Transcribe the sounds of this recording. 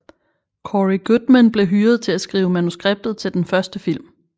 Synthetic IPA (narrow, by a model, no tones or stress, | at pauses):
kʰɒʁiɡ̥ud̥mænb̥le̝ɦyːɐð̞̩ˠt͡sʰe̝læsɡ̥ʁḭːʊəmænusɡ̥ʁeb̥̚d̥ð̩ˠt͡sʰe̝ld̥enfɶɐsd̥əfil̰m